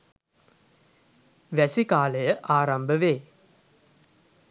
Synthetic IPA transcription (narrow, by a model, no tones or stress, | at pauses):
ʋæsikaːləjəʔaːɾambəʋeː